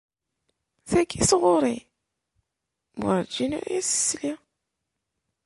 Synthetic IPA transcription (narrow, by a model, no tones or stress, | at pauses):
θækːisʁʊɾˤi | ma̰ɾd͡ʒinṵɾæsə̥sli